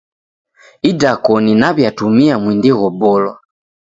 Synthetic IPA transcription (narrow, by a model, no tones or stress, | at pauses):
idakɔninaβjatumiamwindɛɣɔbɔlwa̰